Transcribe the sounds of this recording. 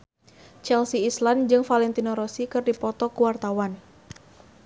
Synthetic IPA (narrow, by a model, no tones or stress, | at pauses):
t͡ʃɛlsiːsland͡ʒɨŋfalɛnt̪inoɾɔsikɨrdipɔt̪ɔkuwart̪awan